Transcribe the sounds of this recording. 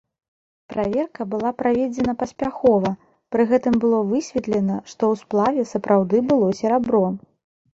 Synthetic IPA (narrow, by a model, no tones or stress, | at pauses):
pɾʔavʲɛrkɐbɨlˠapɾavʲed͡zʲɛn̪ɐpɐsʲpʲaxɔvɐ | pɾɨɣɛt̪ɨmbɨlˠɔvɨsʲvʲɛt̪lʲɛnɐʂt̪ɔwsplˠavʲɛsɐpɾawd̪ɨbɨlˠɔsʲɛɾabɾɔ